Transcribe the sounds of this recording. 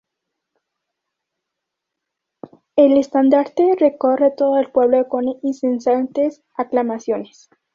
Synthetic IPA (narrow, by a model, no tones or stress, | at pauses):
ele̞st̪and̪aɾt̪ere̞ko̞re̞t̪o̞ðoelpweβloko̞ninsensant̪es | aklamasjo̞nes